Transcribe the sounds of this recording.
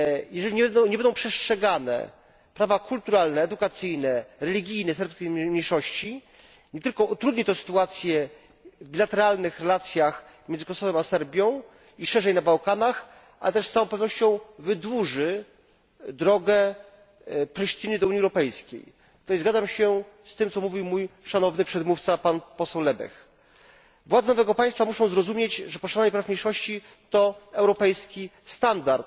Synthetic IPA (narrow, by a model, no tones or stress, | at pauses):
jɛʐɛlʲiɲɛɲɛbɛnd̪ɔ̃w̃pʂɛstʂɛɡanɛ̰ | pɾavakult̪uɾalnɛːd̪ukat̪sɘjnɛɾɛlʲiɡʲijnɛsɛɾpskʲejmɲejʂɔɕt͡ɕi | ɲɛt̪ɘlkɔut̪ɾud̪ɲit̪ɔ̃sɘ̥t̪uat̪sʲjɛ | vbʲilat̪ɛɾalnɘxɾɛlat̪sʲjax | mʲɛnzɨkɔsɔvɛmasɛɾbʲjɔ̃w̃ | iʂɛʐɛjnabawkanax | ʔa̰lɛt̪ɛʂsawɔ̃w̃pɛvnɔɕt͡ɕɔ̃w̃vɘd̪wuʐɘ | d̪ɾɔɡɛ | pɾɛʂt͡ɕinɘd̪ɔuɲiɛwɾɔpɛjskʲḛj | t̪ajzɡad̪zamɕɛ | st̪ɘmt̪sɔmuvʲiwmujʂanɔvnɘpʂɛd̪muft̪sapanpɔsɛwlɛbɛ̰x | vwad̪zɛnɔvɛɡɔpaj̃st̪famuʂɔ̃w̃zɾɔzumʲjed͡ʑʐɛpɔʂaɾaɲɛpɾafmɲejʂɔɕt͡ɕi | t̪ɔɛwɾɔpɛjskʲist̪and̪aɾt̪